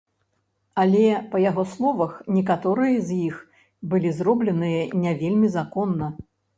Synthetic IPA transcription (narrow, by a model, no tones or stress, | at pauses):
alʲɛpɐjaɣɔslˠɔvɐxnʲɛk̬at̪ɔɾɨjɐzʲjix | bɨlʲizrɔblʲɛnɨjɐnʲɛvʲelʲmʲizakɔnːɐ